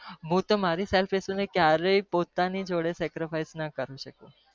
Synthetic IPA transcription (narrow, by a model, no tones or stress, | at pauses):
ɦũt̪omaɾisɛlfesonekjaɾəipot̪anid͡ʒoɽesɛkɾɪfaisnakəɾũʃəkũ